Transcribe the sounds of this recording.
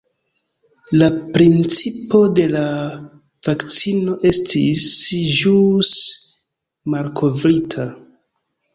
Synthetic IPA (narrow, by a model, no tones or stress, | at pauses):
lapɾint͡sipo̞de̞la | v̥akt͡sino̞ʔe̞stʰisʒus | malkʰo̞vɾitʰa